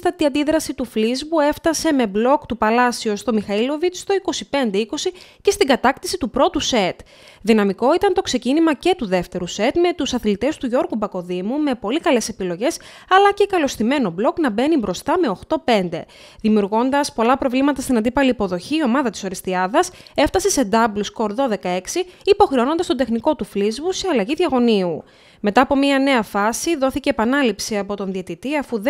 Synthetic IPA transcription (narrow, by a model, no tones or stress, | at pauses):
t̪ɐt̪iɐnd̪iðɾɐsit̪uflizbue̞ft̪ɐse̞me̞blo̞kt̪upɐlɐsio̞st̪o̞mixɐilo̞vit͡sst̪o̞iko̞sipe̞nd̪eiko̞sice̞st̪iɡɐt̪ɐkt̪isit̪upɾo̞t̪use̞t̪ | ðinɐmiko̞it̪ɐnt̪o̞kse̞cinimɐce̞t̪uðe̞ft̪e̞ɾuse̞t̪me̞t̪usɐθlit̪e̞st̪uʝo̞ɾɣubɐko̞ðimume̞po̞likɐle̞se̞pilo̞ʝe̞s | ɐlɐcekɐlo̞st̪ime̞no̞blo̞knɐbe̞nibɾo̞st̪ɐmeo̞xt̪o̞pe̞nd̪e̞ | ðimiuɾɣo̞nd̪ɐspo̞lɐpɾo̞vlimɐt̪ɐst̪inɐnd̪ipɐliːpo̞ðo̞çiːo̞mɐðɐt̪i̥so̞ɾist̪iɐðɐseft̪ɐsese̞d̪ɐblusko̞ɾðo̞ðe̞kɐe̞ksiipo̞xɾeo̞no̞nd̪ɐst̪d̪e̞xniko̞t̪uflizvuse̞ɐlɐʝiðʝɐɣo̞niu | me̞t̪ɐːpo̞miɐne̞ɐfɐsiðo̞θice̞ːpɐnɐlipsiɐpo̞t̪o̞nðiet̪it̪iɐfuð